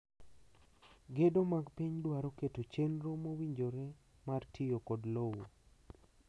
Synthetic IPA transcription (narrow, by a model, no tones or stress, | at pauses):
ɡedomaɡpiɲdwaɾoketot͡ʃenɾomowiɲd͡ʒoɾɛ | martʰijokɔdlowo